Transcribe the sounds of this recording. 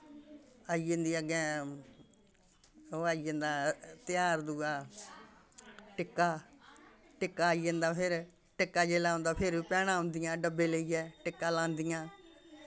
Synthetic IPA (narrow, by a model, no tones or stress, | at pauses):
aːiːend̪iːəɡɛ̃ː | aːiẽnd̪aːt̪ɪjaːɾd̪uːaː | ʈɪkːaː | ʈɪkːaːiːẽnd̪aːpʰɪɾ | ʈɪkːaːd͡ʒeːlaːõnd̪aːpʰɪɾiːpɛːɽãːõːnd̪ijãːɖəbːeːləiːɛːʈɪkːaːlãːnd̪ijãː